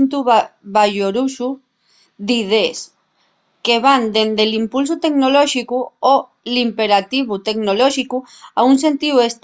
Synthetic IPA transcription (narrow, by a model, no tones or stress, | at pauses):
nt̪uβaʝoɾusu | ðiðes | ke̞β̞and̪e̞nd̪e̞limpuls̬ut̪e̞ɡnoloʃikuo | limpe̞ɾat̪iβ̞ut̪e̞ɡnoloʃiku | aunse̞nt̪iuest̪